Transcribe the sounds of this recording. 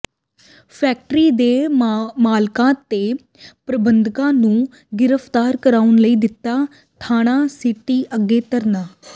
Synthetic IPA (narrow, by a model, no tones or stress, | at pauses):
pʰɛːk̚ʈɾiːd̪eːmaːlkãːt̪eː | pɾəbənd̪kãːnũː | ɡɪɾəpt̪aːɾkəɾaːʊnləiːd̪ɪt̪ːaː | t̪ʰaːnaːsiʈːiːʔəɡːeːt̪əɾnaː